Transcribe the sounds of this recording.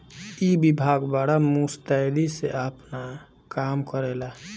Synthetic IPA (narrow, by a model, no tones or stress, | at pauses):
ibibʱaɡbaɽamust̪ad̪iseəpna | kaːmkəɾɛla